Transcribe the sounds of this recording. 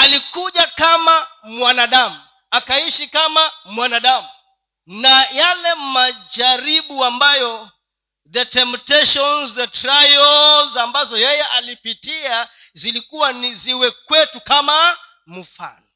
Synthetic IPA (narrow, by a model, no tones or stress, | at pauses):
alikuʄakamamwanaɗamu | akaiʃikamamwanaɗamu | najalɛmad͡ʒaɾiɓuambajɔ | ðɛtɛmptɛʃɔnzðɛtɾajɔllzambazɔjɛjɛʔalipitia | zilikuwaniziwɛkwɛtukama | m̩fa̰nɔ